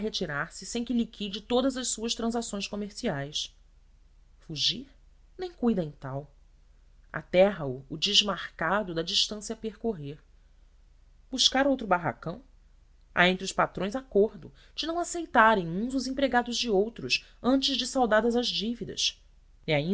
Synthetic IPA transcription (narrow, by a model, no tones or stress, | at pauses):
ɦet͡ʃiɾaɾsɪsẽj̃kɪlikʰid͡ʒɪt̪od̪ɐzɐʃsuɐʃt̪ɾɐ̃zasõj̃ʃkomeɾsiajs | fuʒiɾ | nẽj̃kujd̪ɐẽj̃t̪aw | a̰t̪ɛɦɐʊːd͡ʒɪʒmaɾkad̪ʊd̪ɐd͡ʒiʃt̪ɐ̃siɐpeɾkoɦeɾ | buʃkaɾowt̪ɾʊbaɦa̰kɐ̃w̃ | a̰ẽnt̪ɾʊʃpat̪ɾõj̃zakoɾd̪ʊ̰ | d͡ʒɪnɐ̃w̃asejt̪aɾẽj̃ũzʊzẽmpɾeɡad̪ʊʒd͡ʒɪowt̪ɾʊs | ɐ̃nt͡ʃɪzd͡ʒɪsawd̪ad̪ɐzɐzd͡ʒivid̪ɐ̰ʃ | iaĩ